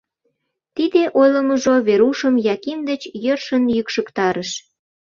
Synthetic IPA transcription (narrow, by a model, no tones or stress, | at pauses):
t̪id̪eʔojləməʒoβeɾuʃəmjɑkimd̪ət͡ɕjørʃənjykʃəkt̪ɑɾəʃ